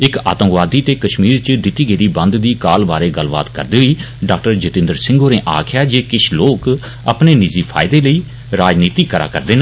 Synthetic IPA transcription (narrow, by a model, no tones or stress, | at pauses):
ɪka̰ːt̪ə̃mkʋaːd̪iːt̪eːkəʃmiːɾt͡ʃəd̪ɪt̪iːɡeːd̪iːbə̃nd̪d̪iːkaːlbaːɾeːɡəlba̰ːt̪kə̰ɾd̪eːɦiː | ɖaːk̚ʈəɾd͡ʒɪt̪ɪ̃nd̪əɾsɪ̃ŋɡoːnẽːʔa̰ːkʰjaːd͡ʒeːkɪʃʰloːk | ə̰pneːnɪziːpʰa̰ːɪd̪eːləiː | ɾaːd͡ʒniːt̪iːkəɾa̰ːkəɾd̪eːnaː